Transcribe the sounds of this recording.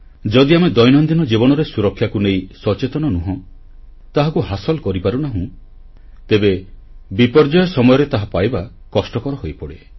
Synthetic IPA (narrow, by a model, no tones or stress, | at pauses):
d͡ʒɔd̪iamed̪ɔjnɔnd̪inɔd͡ʒibɔɽ̃ɔɾesuɾɔkʰjakunejsɔt͡ʃet̪ɔnɔnuɦɔ̃ | t̪aɦakuɦasɔlkɔɾipaɾunaɦũ | t̪ebe | bipɔɾd͡ʒɔjɔsɔmɔjɔɾet̪aɦapajba | kɔsʈɔkɔɾɔɦojpɔɽe